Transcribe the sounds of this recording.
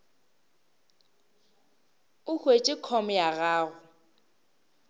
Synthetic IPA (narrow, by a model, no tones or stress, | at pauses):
ʊhwet͡ʃʼɪkʰɔmɔjaɣaːɣʊ